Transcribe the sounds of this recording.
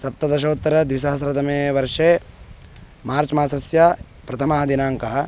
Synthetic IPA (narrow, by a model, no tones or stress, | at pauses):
sɐp̚t̪ɐd̪ɐʃ̬ɐːut̪ːɐɾɐd̪ʋiʃɐɦɐsɾɐt̪ɐmeːʋɐɾʂeː | maːɾt͡ʃmaːsɐsjɐ | pɾɐt̪ʰɐmɐɦɐd̪inaːŋkɐɦɐ̆